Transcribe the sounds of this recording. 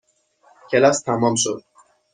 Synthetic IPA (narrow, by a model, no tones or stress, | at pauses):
cʲʰelɒst̪ʰæmɒːmʃod̪̥̚